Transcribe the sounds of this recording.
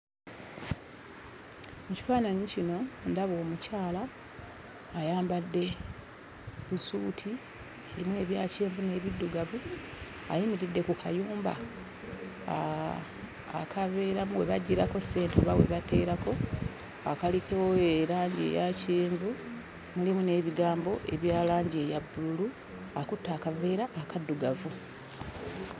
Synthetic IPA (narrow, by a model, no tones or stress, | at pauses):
muci̥faːnaɲicino̞ndaβo̞ːmucaːlaː | jaːmbadːe̞ | βusuːtʰi | eɾimwe̞ːβjaːceːɱvune̞ːβidːuɡavu | a̰jimiɾidːe̞kukʰa̰juːmba̰ | kʰave̞ːɾamuwe̞βaɟːiɾako̞se̞ːntoβawe̞̰βatʰe̞ːɾako̞ | akalikewoeɾaːɲɟiḛjaceːɱvu | mulimune̞ːβiɡaːmbo̞ʔe̞βjaːlaːɲɟiejabːululu | akutːaːkave̞ːɾaʔːkadːuɡavu